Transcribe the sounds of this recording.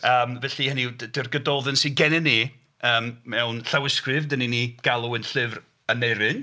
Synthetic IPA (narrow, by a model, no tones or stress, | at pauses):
əːmvɛɬihəniddɪrɡədɔðɨnsiɡɛnɛni | əːmmɛwnɬawɪskrɨvdəniniɡ̥alˠuɨnɬɪvr | ənejɾɨn